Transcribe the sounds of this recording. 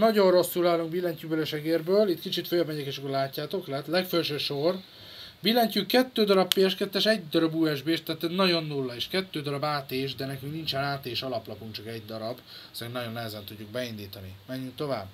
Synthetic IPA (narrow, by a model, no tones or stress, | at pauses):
nɒɟo̞rro̞sːulaːluŋkbilɛɲcybølɛʃɛɡeːrbøːlit̪kit͡ʃit̪fojɒbmɛɟɛkeʃɒkoɾlaːcːaːt̪o̞klɛt̪lɛkfølʃøːʃo̞r | bilɛɲcykkːɛt̪ːøːd̪ɒɾɒppeːɛʃkɛt̪ːɛʃɛɟd̪ɒɾɒbuːɛʒbeːʃt̪aːt̪ɛznɒɟo̞nːulːɒeːʃkɛt̪ːøːd̪ɒɾɒbaːt̪eːʒd̪ɛnɛkyŋknint͡ʃɛnaːt̪eːʃɒlɒplɒpuŋkt͡ʃɒkɛɟd̪ɒɾɒb | ɒseɾinnɒɟo̞nːɛɦɛzɛnt̪uɟːuɡ̚bɛind̪iːt̪ɒnḭmɛɲːyŋkt̪o̞vaːb